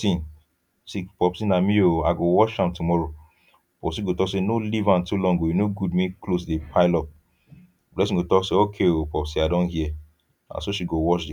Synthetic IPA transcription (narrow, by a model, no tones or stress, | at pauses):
sĩn | sipɔpsĩnamĩoaɡowɔʃhãmtumɔɹo | pɔpsĩɡotɔksenolivãntulɔ̃ŋɡojinoɡudmĩklos̬depʰaɪlɔp̚ | blɛs̬ĩɡotɔkseokʰeopɔpsĩadɔ̃nhiɛ | ã̰nsoʃiɡowɔʃdi